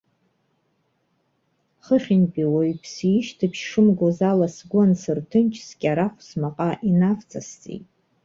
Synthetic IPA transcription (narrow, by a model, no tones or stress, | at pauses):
χəχʲɪnpʼiwajpʰsiʃtʰɨpʰʃʂɨmɡʷozalasɡʷnsɨrtʰɨnt͡ʃʰskʲʼaɾaχʷsmaqʼaʔinavt͡sʰʼast͡sʼḛjtʼ